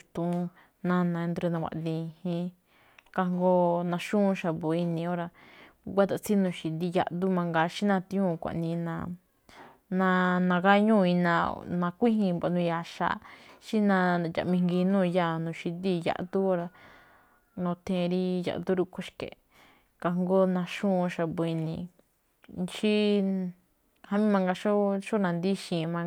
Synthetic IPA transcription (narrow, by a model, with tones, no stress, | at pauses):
t̪ũ˧ | nã˧nã˧ẽ˧nd̪ɾe˧nã˧wʷa̰˧˨ʔd̪ĩ˧hĩ˧ | ka˧ŋɡo˧nã˧ʃũː˦˧ʃa˧βo˨i˧nĩ˨˧o˦ɾa˧ɡʷa˦t̪a˧˨t͡si˦nũ˧˨ʃi˧d̪i˧ja˧ʔd̪u˦mã˧ŋɡa˧ʃi˦nã˧t̪ĩ˧˦ũ˦˨˧kʷa̰˨ʔnĩ˧nã̰˧ | nã˧nã˧ka˦ɲũ˦˨˧i˧nã˧nã˧kʷi˦ɦĩ˧ba˧˨nũ˧ja˧˨ʃa̰˧˨ʃi˦nã˧ja̰˨mĩ˧ŋɡi˧nũː˦˧ja˧˨nũ˨ʃi˧d̪i˦˧˨ja̰˧ʔt̪u˦˧ɾa˧ | nõ˧t̪ʰẽ˧ɾi˦ja̰˧ʔt̪u˦ɾu˦˧kʰo˧ʃkḛ˨ | ka˧ŋɡo˦nã˧ʃũ˦˧ʃa˧be˧nĩ˧˨ | nt͡ʃi˦ | ha˦mĩ˦mã˧ŋɡa˧ʃo˦ʃo˦nã˧nd̪i˦ʃĩ˨˧mã˧